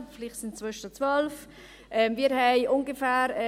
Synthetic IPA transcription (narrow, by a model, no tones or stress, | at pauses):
fliːχtsɪnt͡svœʃtət͡svœlf | ʔɛmviːɾhɛɪʔʊŋɡəfæːɾɛ